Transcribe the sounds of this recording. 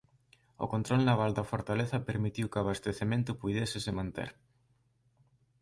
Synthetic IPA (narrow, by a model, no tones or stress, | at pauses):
ʊ̰kont̪ɾɔlnaβald̪ɐfoɾt̪aleθɐpeɾmit̪iwkaβast̪eθemẽnt̪ʊpujðɛsɪsɪmãnt̪ḛɾ